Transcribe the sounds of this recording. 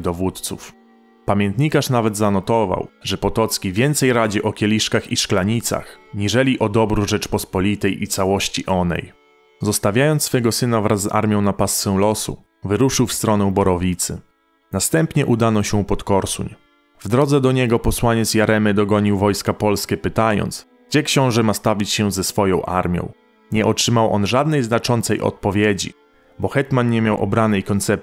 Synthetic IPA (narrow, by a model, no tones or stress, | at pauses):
d̪ɔvut̪t̪sṵf | pamʲjɛnt̪ɲikaʂnavɛd̪zanɔt̪ɔva̰wʐɛpɔt̪ɔt̪skʲivʲjɛnt̪sɛjɾad͡ʑɛʔɔkʲɛlʲiʂkaxiʂklaɲit̪sa̰xɲiʐɛlʲiʔɔd̪ɔbɾuʐɛt͡ʂpɔspɔlʲit̪ɛjʔit̪sawɔɕt͡ɕiʔɔnɛ̰j | zɔst̪avʲjajɔnsfɛɡɔsɘnavɾʔazːa̰ɾmʲjɔ̃w̃napast̪sɛw̃lɔsṵ | vɘɾuʂɘwfst̪ɾɔnɛbɔɾɔvʲit̪sɘ̰ | nast̪ɛmpɲɛʔud̪anɔɕɛũpɔt̪kɔɾsṵɲ | vd̪ɾɔd̪zɛd̪ɔɲɛɡɔpɔswaɲɛt̪sjaɾʔɛmɘd̪ɔɡɔɲiwvɔjskapɔlskʲɛpɘt̪ajɔ̰nt̪sɡ̚d͡ʑɛkɕɔ̃w̃ʐɛmast̪avʲit͡ɕɕɛzɛsfɔjɔ̃w̃ʔa̰ɾmʲjɔ̰̃w̃ | ɲɛʔɔtʂɘmawʔɔ̰nʐad̪nɛjznat͡ʂɔnt̪sɛjʔɔ̰t̪̚pɔvʲjed͡ʑḭ | bɔxɛt̪manɲɛmʲjawʔɔ̰bɾanɛjkɔnt̪sɛp̪̚